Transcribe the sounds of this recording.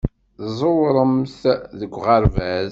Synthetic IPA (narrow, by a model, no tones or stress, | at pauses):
ðzˤowɾˤəmθðəɡʷːʁəɾvæz